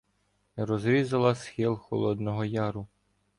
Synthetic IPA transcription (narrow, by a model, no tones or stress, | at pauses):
ɾɔzɾʲizɐlˠɐsxɪlˠxɔ̰lˠɔd̪nɔɦɔjɑɾʊ